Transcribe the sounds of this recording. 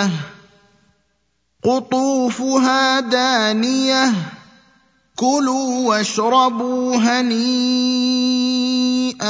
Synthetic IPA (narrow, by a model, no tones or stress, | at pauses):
qʊt̪ˤuːfʊɦaːd̪aːnɪja | kʊluːwaʃɾˤɑbuːɦaniː | ʔa